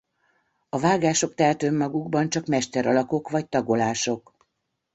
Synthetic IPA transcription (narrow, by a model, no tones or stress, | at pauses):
ɒvaːɡaːʃo̞kt̪ɛlt̪ømːɒɡuɡbɒnt͡ʃɒkmɛʃt̪ɛɾɒlɒko̞kvɒc̚t̪ɒɡo̞laːʃo̞k